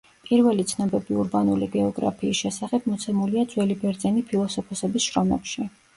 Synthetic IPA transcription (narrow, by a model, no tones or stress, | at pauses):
pʼiɾvɛlit̪sʰnɔbɛbiuɾbanuliɡɛɔɡɾa̰pʰiːsʃɛsaχɛb̥̚mɔt̪sʰɛmuliat̪zʼwɛlibɛɾd̪zɛnipʰilˠɔsɔpʰɔsɛbisʃɾɔmɛ̰pʃi